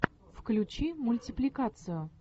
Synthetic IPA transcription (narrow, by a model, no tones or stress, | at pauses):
fklʲʊt͡ɕimʊlʲtʲɪplʲɪkat̪sɨjʊ